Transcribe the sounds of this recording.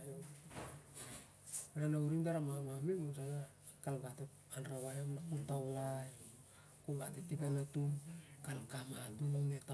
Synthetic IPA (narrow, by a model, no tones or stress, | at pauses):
jo | ɾanawɾimdaɾamamamemosana | kalɡate | anɾaβajamnakutaolaj | kuɡatetipanatumkalkamatumneta